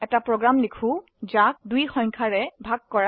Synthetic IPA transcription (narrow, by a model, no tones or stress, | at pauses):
ɛtapɹɔɡɹamlikʰũ | d͡ʒak̚dujxɔ̃ŋkʰaɹɛbʱaɡ̚kɔɹa